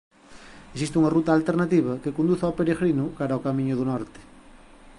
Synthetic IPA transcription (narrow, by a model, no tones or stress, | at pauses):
es̬ist̪uŋɐrut̪aːlt̪eɾnat̪iβ̞ɐkekond̪uθawpeɾeɣɾinʊkaɾaokamĩɲʊðunɔɾt̪ɪ̥